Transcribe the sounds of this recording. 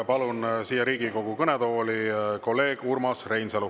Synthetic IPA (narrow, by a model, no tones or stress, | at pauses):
pɑlunsiːjɑɾiːɡiko̞ɡ̥ukɤnɛd̪o̞ːliko̞lːe̞ːɡ̥urmɑsre̞jnselu